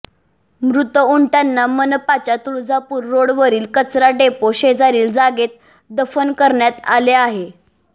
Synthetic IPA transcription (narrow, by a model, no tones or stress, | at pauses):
mɾut̪əuɳʈanːamənəpat͡ɕat̪uɭd͡zapuːɾːoɽʋəɾiːlkət͡sɾaɖepoɕed͡zaɾiːld͡zaɡet̪̚ | d̪əfənkəɾɳjat̪a̰leaɦe